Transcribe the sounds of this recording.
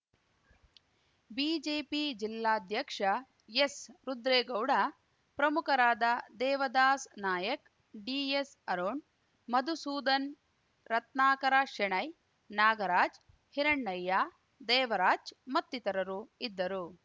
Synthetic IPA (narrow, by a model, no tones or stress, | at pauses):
biːd͡ʒeːpid͡ʒilːaːd̪ʱjɐkʂɐ | jesɾud̪ɾeːɡɐwɽɐ | pɾɐmukɐɾaːd̪ɐd̪ɛːʋɐd̪aːsnaːjɐk | ɖiːes | ɐɾoːɳ | mɐd̪ʱusuːd̪ɐn | ɾɐt̪naːkɐɾaʃɛɳɐj | naːɡɐɾaːd͡ʒ | hiɾɐɳːɐjːaː | d̪ɛːʋɐɾaːd͡ʒmɐt̪ːit̪ɐɾɐɾuid̪ːɐɾu